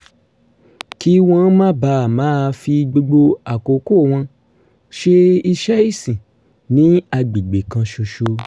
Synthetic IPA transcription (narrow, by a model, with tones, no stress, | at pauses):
ki˦w̃ɔ̃˦mã˦ba˧˨mãː˨˦˧fi˧ɡ͡bo˧ɡ͡bo˧a˨ko˨ko˦˨w̃ɔ̃˧ | ʃe˧i˧ʃɛ˦i˦˨sĩ˨ | nĩ˨˦a˧ɡ͡bi˨ɡ͡be˨kã˧ʃo˧ʃo˧